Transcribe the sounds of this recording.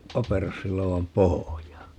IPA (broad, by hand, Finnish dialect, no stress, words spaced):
pɑperosːiloːɑm pohojɑː